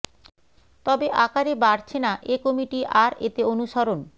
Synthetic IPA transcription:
t̪ɔbeʔakaɾebaɾt͡ɕʰenaʔekomiʈiʔaɾet̪eonuʃaɾon

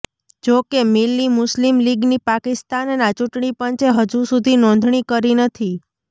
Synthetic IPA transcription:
d͡ʒokemilːimʊslimliɡnipakɪst̪annat͡ʃuʈɳipənt͡ʃeɦəd͡ʒusud̪ʱinɔ̃nd̪ʱɳ̃ikəɾinət̪ʰi

